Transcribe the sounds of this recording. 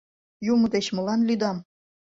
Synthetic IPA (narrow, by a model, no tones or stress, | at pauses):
jumə̆d̪et͡ɕmɤ̆lɑnlyd̪ɑm